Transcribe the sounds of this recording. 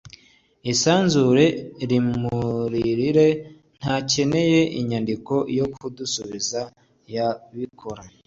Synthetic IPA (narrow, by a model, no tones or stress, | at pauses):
isaːnzuɾe̞ɾimuɾiɾiɾe̞ | n̥hace̞ne̞je̞ʔiɲandiko̞jo̞kʰudusuβiza | jaβikʰo̞ɾa